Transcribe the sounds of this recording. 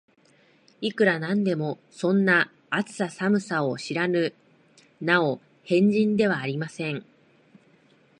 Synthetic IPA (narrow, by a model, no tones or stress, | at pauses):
ikɯ̟ɾanãnd̪e̞mo̞ | sõ̞nːa | at͡sɨ̥sasamɯ̟saoɕiɾanɯ̟ | nao | hẽ̞ɲ̟d͡ʑĩnd̪e̞β̞aːɾʲimasẽ̞ŋ